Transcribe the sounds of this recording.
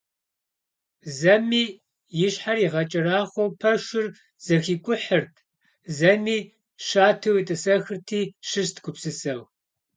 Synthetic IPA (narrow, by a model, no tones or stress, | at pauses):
zɐmiː | jɪɕħariːʁɐt͡ʃʼɪraːχʷowpʰɐʃɪr | z̥ɐxiːkʷʼʊħərtʰ | zɐmiː | ʃaːtʰɨwitʼɨsɐxɨrtʰiːʃɨɕtʰɡʷʰʼʊpsɨsɐw